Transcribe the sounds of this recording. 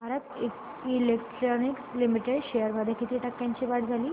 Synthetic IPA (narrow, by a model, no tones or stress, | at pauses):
baɾat̪ek | ilekʈɾɔniklimiʈeɽɕejəɾməd̪ʱːjekit̪ʰiːʈəkːjãɲt͡ɕiːʋaʈd͡zʱaliː